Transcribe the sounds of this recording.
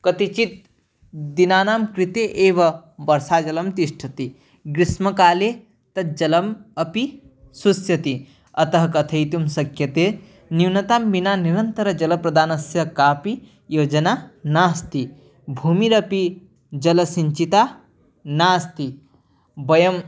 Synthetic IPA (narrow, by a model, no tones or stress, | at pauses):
kɐt̪it͡ʃit̪̚ | d̪inaːnaːmkɾit̪eʔeːʋɐbɐɾsaːd͡ʒɐlɐmt̪iʃʈʰɐt̪i | ɡɾismɐkaːleː | t̪ɐd͡ʒɐlɐmɐpi | susjɐt̪i | ɐt̪ɐɦɐkɐt̪ʰɐjt̪umsɐkjɐt̪eː | niwnɐt̪aːmbinaːniɾɐnt̪ɐɾɐd͡ʒɐlɐpɾɐd̪ʱaːnɐsjɐkaːpi | joːd͡ʒɐnaːnaːst̪i | bʱuːmiɾɐpi | d͡ʒɐlɐsiɲt͡ʃit̪aː | naːst̪i | bɐjɐm